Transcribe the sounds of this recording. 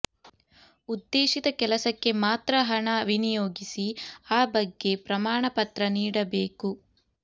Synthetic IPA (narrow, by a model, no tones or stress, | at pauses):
ud̪ːeːʃid̪ɐkɛlɐsɐkːe̞maːt̪ɾɐɦɐɳɐʋinijoːɡisiaːbɐɡːe̞pɾɐmaːɳɐpɐt̪ɾɐniːɽɐbeːku